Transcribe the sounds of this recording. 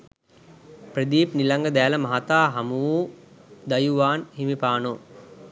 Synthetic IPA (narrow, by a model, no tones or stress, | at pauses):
prəd̪iːpnilaŋɡəd̪æːləmaɦat̪aːɦamuʋuː | d̪ajuʋaːnhimipaːno